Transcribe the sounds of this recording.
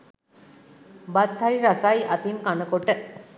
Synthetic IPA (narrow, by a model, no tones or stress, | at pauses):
bat̪ʰːajɾasajʔɐt̪inkanəkoʈːə